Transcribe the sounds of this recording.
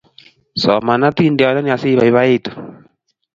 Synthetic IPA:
sɔ˨ma˨na˦t̪i˦ndi˨a˨ɔ˨na˦ni˦a˨si˦βa˨i˨βa˦e˦tu˨

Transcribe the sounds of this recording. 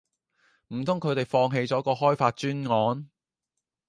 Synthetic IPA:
m̩˨˩t̪ʰʊ˥ŋkʰɵ˨˧ɥt̪e˨jfɔː˧ŋɦe˧jt͡sɔː˨˥kɔː˧ɦɔː˥jfaː˧t̚t͡ʃyː˥nŋɔː˨˥n

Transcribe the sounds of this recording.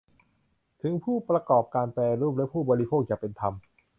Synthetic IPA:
t̪ʰɯ˩˦ŋpʰuː˥˩pɾa˧kɔː˨˩p̚kaː˧nplɛː˧ɾuː˥˩p̚lɛ˦˥pʰuː˥˩bɔː˧ɾi˦˥pʰoː˥˩k̚jaː˨˩pe˧nt̪ʰa˧m

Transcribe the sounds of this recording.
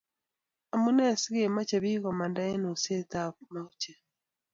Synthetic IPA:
a˨mu˦nɛ˦˨si˦ɣe˨ma˦t͡ʃe˨βiː˦ɣɔ˨ma˨nda˦e˦no˨se˦tama˦u˦t͡ʃɛ˨

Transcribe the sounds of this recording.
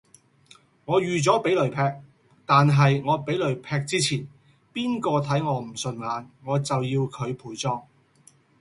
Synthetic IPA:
ŋɔː˨˧jyː˨t͡sɔː˨˥pe˨˥jlɵ˨˩ɥpʰɛː˧k̚ | t̪aː˨nɦɐ˨jŋɔː˨˧pe˨˥jlɵ˨˩ɥpʰɛː˧k̚t͡siː˥t͡sʰiː˨˩n | piː˥nkɔː˧t̪ʰɐ˨˥jŋɔː˨˧m̩˨˩sɵ˨nŋaː˨˧nŋɔː˨˧t͡sɐ˨wjiː˧wkʰɵ˨˧ɥpʰuː˨˥jt͡sɔː˥ŋ

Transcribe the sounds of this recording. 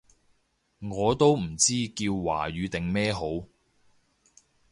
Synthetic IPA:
ŋɔː˨˧t̪o˥wm̩˨˩t͡siː˥kiː˧wːa̰ː˨˩ɥyː˨˧t̪ɪ˨ŋmɛː˥ɦo˨˥w

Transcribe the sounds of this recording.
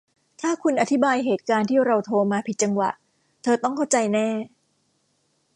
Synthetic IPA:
t̪ʰaː˥˩kʰu˧nʔa˨˩t̪ʰi˦˥baː˧jɦeː˨˩t̪̚kaː˧nt̪ʰiː˥˩ɾa˧wt̪ʰoː˧maː˧pʰi˨˩t̪̚t͡ɕa˧ŋwa̰˨˩ʔ | t̪ʰɤː˧t̪ɔ˥˩ŋkʰa˥˩wt͡ɕa˧jnɛː˥˩

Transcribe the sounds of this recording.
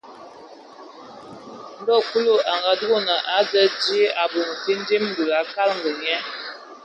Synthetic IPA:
n̩˦dɔ˦˨ku˦lo˦a˨ŋɡa˨du˦ɣo˦nə˨ʔa˨˦zə˦di˦e˦ʔa˨bu˨ŋ˨ti˦n˦di˦m˦du˨la˨˦ka˦lŋ̩˨ɡə˨ɲɛ˦

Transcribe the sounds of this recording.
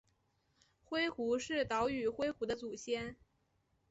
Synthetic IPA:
xwe˥ɪxu˧˥ʂɻ̩˥˩t̪ɑ˧˥ʊy˨˩xwe˥ɪxu˧˥d̪ə˧t͡su˨˩ɕjɛ˥n

